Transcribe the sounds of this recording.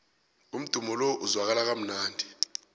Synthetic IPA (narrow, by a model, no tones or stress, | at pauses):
um̩d̥ʱumɔlɔʔuzwak̬alak̬am̩naːndʱi